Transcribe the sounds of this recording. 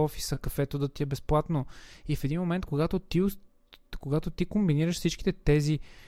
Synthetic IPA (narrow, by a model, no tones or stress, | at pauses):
ɔfi̥səkəkfɛt̪od̪ət̪iɛbɛsplˠat̪noifɛd̪inmomɛnt̪koɡat̪ot̪iʊs | koɡat̪ot̪ikombiniɾəʃfsit͡ʃki̥t̪ɛt̪ɛzi